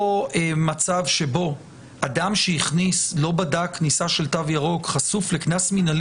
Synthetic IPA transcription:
oemat͡savʃe̞bo̞ | adamʃeiχnislo̞badaknisaʃe̞ltavjaʁo̞kχasufle̞knasminal

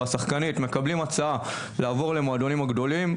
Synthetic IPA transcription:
asaχkanitme̞kablimat͡saa | laːvo̞ʁle̞moad̪o̞nimaɡd̪o̞lim

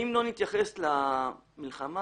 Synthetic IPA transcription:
imlo̞nit̪jaχe̞slamilχama

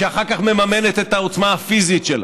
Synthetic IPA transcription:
eaχaʁkaχme̞mame̞ne̞t̪e̞t̪aot͡smaafizit̪ʃela̰

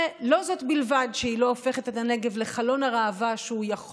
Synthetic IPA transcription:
lo̞zo̞tbilvadʃeilo̞ofe̞χetetaneɡe̞vle̞χalo̞naʁaːvaʃeujaχ

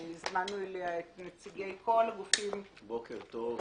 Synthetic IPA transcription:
izmanːueleaet̪net͡siɡejkʰo̞laɡufim | bokeʁt̪o

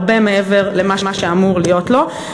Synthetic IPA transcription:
bemeeveʁlemaʃmaʃeamuʁlijo̞tlo̞

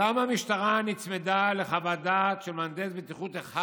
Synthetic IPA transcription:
amamiʃt̪aʁanit͡smed̪ale̞χavad̪at̪ʃelmand̪ezbet̪iχut̪eχa

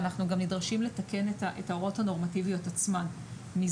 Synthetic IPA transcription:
naχnuɡamnidʁaʃimle̞take̞netaʔetaoʁo̞thano̞ʁmativijo̞tat͡sman | mi

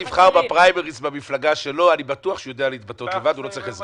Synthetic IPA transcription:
ivχaʁbapʁajmeʁisbamiflaɡaʃe̞lo̞anibat̪uaχʃejo̞d̪ealeit̪̚bat̪o̞t̪levad̪ulo̞t͡saʁiχez

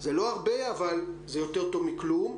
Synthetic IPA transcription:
zelo̞aʁbeavalzejot̪e̞ʁt̪ovmiklum

